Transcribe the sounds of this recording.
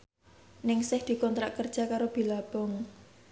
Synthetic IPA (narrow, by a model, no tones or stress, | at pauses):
nɪŋsɪhd̪̥i̤kɔnt̪ɾaʔkərd̥ʒ̥a̤kaɾob̥i̤lab̥ɔŋ